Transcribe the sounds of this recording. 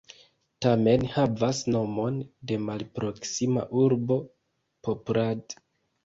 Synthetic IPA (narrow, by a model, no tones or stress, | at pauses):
tame̞nhavasno̞mo̞nde̞malpɾo̞ksima̰ʔuɾbo̞ | popɾad